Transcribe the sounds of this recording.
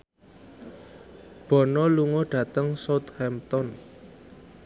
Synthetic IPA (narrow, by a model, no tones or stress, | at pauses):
b̥ɔ̤nɔluŋoɖ̥ä̤t̪əŋsot̪hɛmt̪ɔn